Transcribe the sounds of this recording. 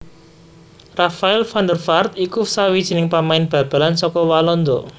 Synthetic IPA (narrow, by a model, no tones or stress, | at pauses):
rafaɪlfand̪ərfart̪ikusawid̥ʒ̥i̤nɪŋpamaɪnb̥ä̤b̥a̤lansɔkɔwalɔnd̪ɔ̰